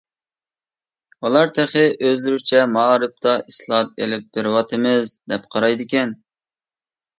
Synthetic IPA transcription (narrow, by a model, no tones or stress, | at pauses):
ulˠɑɾt̪ʰæχɪʔøzlyɾyt͡ʃʰɛmɑːɾɨp̚t̪ʰɑʔislˠɑt̪̚ḛlɪp̚b̥ɪɾwɑt̪ʰɨmɪzd̪ɛpqʰɑɾɑjd̪ɪkʲɛn